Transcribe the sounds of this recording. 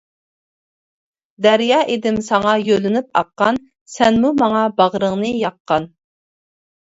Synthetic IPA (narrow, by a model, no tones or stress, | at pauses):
d̪æɾjɑːʔed̪ɪmsɑŋɑjølɪnɪp̚ɑ̰qːɑn | sɛnmumɑŋɑbɑʁɾəŋnɨjɑqʰːɑn